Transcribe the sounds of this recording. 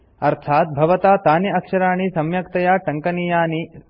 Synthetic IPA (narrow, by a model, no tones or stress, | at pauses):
ɐɾt̪ʰaːt̪̚bʱɐʋɐt̪aːt̪aːnjɐɐkʂɐɾaːɳ̃isɐmjɐkt̪ɐjaːʈɐŋkɐnijaːni